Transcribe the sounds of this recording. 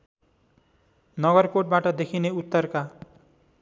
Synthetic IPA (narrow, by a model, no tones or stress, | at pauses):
nʌɡʌrkoʈ̚baʈʌd̪ekʰineut̪ːʌrka